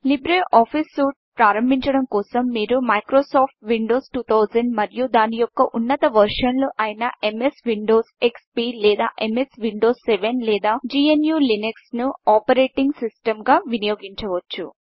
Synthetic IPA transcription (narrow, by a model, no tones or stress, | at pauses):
libɾeiʔaːpʰisːuːʈpɾaːɾɐmbʱiɲt͡ʃɐɽɐmkɔːsɐmːiːɾumɐjkɾoːsaːp̚ʰʈʋiɳɖo̞ːsʈuːt̪ʰɐwd͡ʒɐɳɖmɐɾijud̪aːnijɔkːɐʔunːɐt̪ɐʋɐɾʂɐnloʔaːjinɐʔe̞mesʋiɳɖo̞ːsekspiːlɛːd̪aːʔemesʋiɳɖo̞ːsːeʋenlɛːd̪aːd͡ʒiːenjuːlineksnuaːpɐɾeːʈiŋɡsisʈɐmɡaːʋinɐjoːɡiɲt͡ʃɐʋɐt͡ʃːṵ